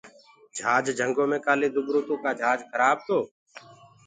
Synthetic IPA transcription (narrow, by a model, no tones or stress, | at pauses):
d͡ʒʱaːd͡ʒd͡ʒʱəŋɡõːmẽːkaːleːd̪ʊbɾõːt̪õːkaːd͡ʒʱaːd͡ʒkʰəɾaːb̚t̪ʰoː